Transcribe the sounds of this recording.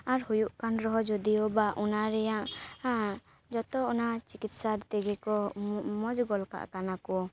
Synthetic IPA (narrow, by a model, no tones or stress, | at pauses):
aɾhujuʔkanɾɔɦɔd͡ʒud̪iɔbaʔunaɾɛjaʔ | d͡ʒɔt̪ɔɔnat͡ʃikit̪saɾt̪ɛɡɛkɔmɔd͡ʒɡɔlka̰ʔkanakɔ